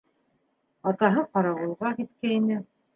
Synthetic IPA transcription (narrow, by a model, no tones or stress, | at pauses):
ɑt̪ɑɦɤqɑɾɑwɤ̆lˠʁɑkit̪kæinɘ